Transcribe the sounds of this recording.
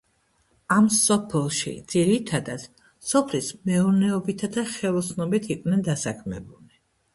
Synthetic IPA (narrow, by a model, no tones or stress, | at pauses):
amsɔpʰɛlˠʃḭd̪z̥iɾit̪ʰad̪ad̪̥ | sɔpʰlismɛuɾnɛɔbit̪ʰad̪aχɛlˠɔsʰnɔbit̪ʰiqʼnɛnd̪asakʰmɛ̰buli